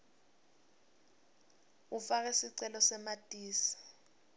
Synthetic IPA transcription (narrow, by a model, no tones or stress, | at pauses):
ufak̬ɛsiǀɛlɔsɛmad̥ʼiːsi̥